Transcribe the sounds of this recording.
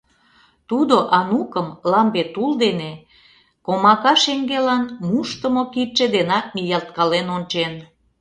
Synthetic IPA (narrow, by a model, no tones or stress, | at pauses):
t̪ud̪oʔɑnukəmlɑmbet̪uld̪ene | komɑkɑʃeŋɡelɑnmuʃt̪əmokit͡ʃed̪enɑk̚mijɑlt̪̚kɑlenont͡ɕen